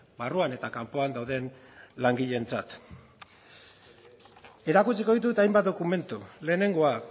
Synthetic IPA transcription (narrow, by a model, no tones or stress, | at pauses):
baruane̞t̪akampo̞and̪awðe̞nlaŋɡiʎe̞nt͡sat̪ | e̞ɾakut͡siko̞ð̞it̪̬ut̪ajmbat̪̚d̪o̞kume̞nt̪ule̞ːne̞ŋɡo̞a